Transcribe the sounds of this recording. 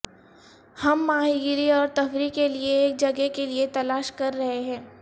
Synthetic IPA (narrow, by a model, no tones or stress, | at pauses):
hɐmːaːɦiɡɾiɔːɾt̪ɐfɾikelieːk̚d͡ʒɐɡekeliet̪ɐlaːʃkɐɾːɐɦeɦɛ̃ː